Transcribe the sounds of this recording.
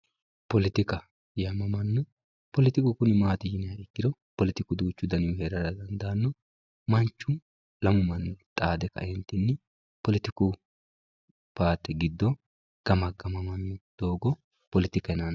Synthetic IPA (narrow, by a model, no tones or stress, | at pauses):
pɔlɪt̪ɪkɐ | jamɐmɐnːɔ | pɔlɪt̪ɪkʊkʊnɪmaːt̪ɪjɪnɪɐɪkːɪd̪ɔ | pɔlɪt̪ɪkʊd̪uːt͡ʃːʊd̪ɐnɪjʊhɛɾɐɾɐd̪ɐnd̪aːnːɔ | mɐnt͡ʃːʊ | lɐmʊmɐnːt̪ʼaːd̪ɛkɐ̰ɛnt̪ɪnːɪ | pɔlɪt̪ɪkʊ | paːt̪ːɛɡɪd̪ːɔ | ɡ̥ɐmɐɡɐmɐmɐnːʊd̪̥oːɡɔ | pɔlɪt̪ɪkɐnan